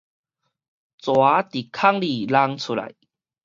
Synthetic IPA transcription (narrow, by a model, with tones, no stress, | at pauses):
t͡swa˨˦t̪i˨˩kʰa˥˧ŋli˧˨˩la˧ŋt͡sʰu˧˩la̰˨˩˦j